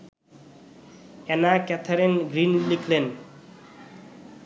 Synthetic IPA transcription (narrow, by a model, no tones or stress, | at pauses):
ɛnakɛt̪ʰaɾenɡɾinlikʰlen